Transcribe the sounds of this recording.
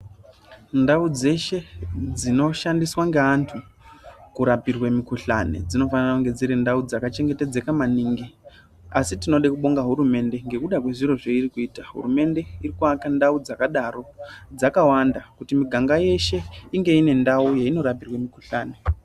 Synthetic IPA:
ndaud͡ze̞ʃe̞d͡zino̞ʃandiswaŋɡeantʰu | kuɾapirwemikuɬa̰ne̞̰d͡zino̞fananakuŋɡe̞d͡ziɾindaud͡zakat͡ʃe̞ŋɡe̞te̞d͡ze̞kamaniːŋɡi | asitino̞ɗekuɓo̞ŋɡaɦuɾume̞nde̞ŋɡe̞kuɗakwe̞ʐiro̞ʐeirikuiːtaɦṵrume̞nde̞irikuakandaud͡zakaɗaro̞d͡zakawandakutimiɡʱaŋɡaje̞ʃe̞iŋɡe̞ine̞ndauje̞ino̞ɾapirwemikuɬaːne

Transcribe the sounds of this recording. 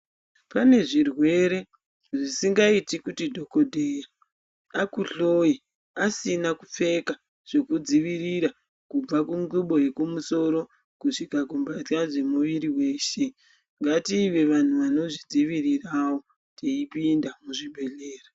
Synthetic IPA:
pane̞ʐirwe̞ɾe̞ | ʐisiŋɡaitikutidʱo̞ko̞dʱeja | akuɬoji | asinakup͡fe̞ka | ʐ̥e̞kud͡ziʋiɾiɾa | kub͡vakuŋɡuɓo̞je̞kumuso̞ɾo̞ | kuʂikakumbatkaʐe̞muʋiɾiwe̞ːʃe̞ | ŋɡatiːʋe̞ʋan̤uʋano̞ʐid͡ziʋirirawo̞ | tʰeipindamuʐiɓʱe̞ɮe̞ːra

